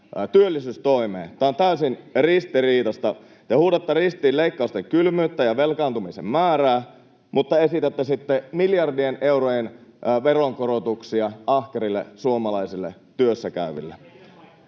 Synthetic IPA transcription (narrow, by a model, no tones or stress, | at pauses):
t̪yølːisyːst̪oimḛːt̪æːont̪æysinrist̪iriːt̪ɑst̪ɑ | t̪ehuːdɑt̪ːerist̪iːlleikːɑˑust̪eŋkylmyːt̪ːæjɑʋelkɑːnt̪umisḛmmæːræː | mut̪ːɑe̞sit̪æt̪ːæsit̪ːemiljɑrdiene̞urojenʋeroŋkorot̪uksiɑʔɑhkerilːḛsuomɑlɑisilːḛ | t̪yøsːækæ̰yʋḭlːḛ